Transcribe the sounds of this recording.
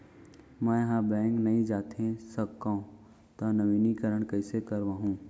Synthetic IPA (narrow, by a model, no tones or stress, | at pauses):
mɛ̃ːɦãːbɛ̃ːŋɡnɐĩd͡ʒaːt̪ʰẽsɐkːã | t̪ɐnɐʋiːnikɐɾəɽ̃kɐɪsekɐɾʋãːɦũː